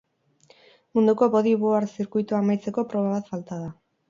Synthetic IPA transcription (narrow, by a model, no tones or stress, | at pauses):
mund̪uko̞βo̞ðiβoaɾsiɾkujt̪uamajt͡se̞ko̞pɾo̞β̞aβat̪falt̪að̞a